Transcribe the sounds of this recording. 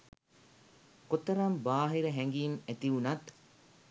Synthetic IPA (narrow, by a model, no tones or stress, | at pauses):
kot̪əɾambaːɦiɾəɦɛŋɡiːmæt̪iunɐt̪